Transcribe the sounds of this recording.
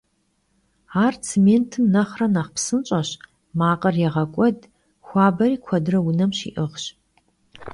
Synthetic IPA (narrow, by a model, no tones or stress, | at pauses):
aːrt͡sʰemeːntʰɨmnɐχrɐnaχpsɨnt͡ʃʼɐɕ | maːqʼɐrjɛʁɐkʷʼɔd | xʷɑːbɐriːkʷʰɐdɨrɐwʊnɐmʃḭːʔɨʁɕ